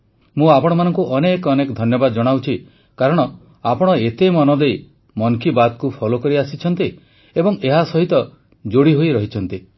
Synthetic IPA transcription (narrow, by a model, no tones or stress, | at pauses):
mũapɔɽ̃ɔmanɔŋkuʔɔnekɔnekɔd̪ʱɔnjɔbad̪ɔd͡ʒɔɽ̃awt͡ʃʰi | kaɾɔɽ̃ɔ | apɔɽ̃ɔet̪emɔnɔd̪ej | mɔŋkibad̪̚kupʰɔlokɔɾiasit͡ʃʰɔnt̪i | ebɔŋeɦasɔɦit̪ɔ | d͡ʒoɽiɦojɾɔɦit͡ʃʰɔnt̪i